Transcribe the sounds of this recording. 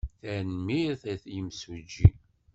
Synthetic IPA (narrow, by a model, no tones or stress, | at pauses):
θænmiθæθjəmsud͡ʒːi